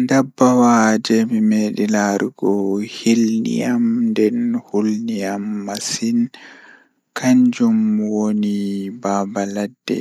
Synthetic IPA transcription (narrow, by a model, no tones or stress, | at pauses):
ndabːawaːd͡ʒɛmimeːɗilaɾuɡɔhilnḭamdɛnhulnijamːasin | kʰaɲd͡ʒumwonibaːbaladːɛ̰